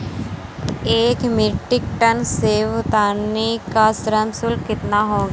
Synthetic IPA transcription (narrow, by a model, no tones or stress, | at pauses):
eːkmɪʈɪk̚ʈənseːʋt̪aːnekasɾənsʊlkɪt̪naɦoːɡa